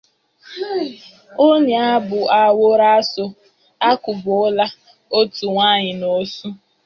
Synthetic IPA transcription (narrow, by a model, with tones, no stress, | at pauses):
o˦ni˨a˦bʊ˨a˨wo˦ɾa˦so˦ | a˦kʊ˨bʊ˨ʊ˦la˦ | o˦tu˨ŋʷa˦ɲɪ˨no˨˦su˦